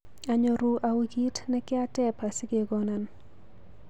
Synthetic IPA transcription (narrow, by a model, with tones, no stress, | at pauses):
a˨ɲo˨ɾu˦ʔa˨wi˦ki˦tnɛ˦kɪ˦a˦tɛ˦pa˨sɪ˦ɡe˨ɡɔ˦na˨n